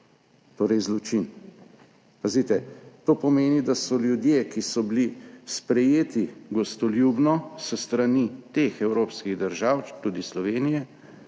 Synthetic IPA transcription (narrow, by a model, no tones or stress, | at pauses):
t̪oːɾɛjzlɔt͡ʃin | pazit̪ɛt̪oːpɔmeːnid̪asɔljud̪jekisɔbilispɾɛjeːt̪iɡɔst̪ɔljuːbnɔsəst̪ɾanit̪exɛwɾoːpskiɣd̪əɾʒawt̪ud̪islɔʋeːnijɛ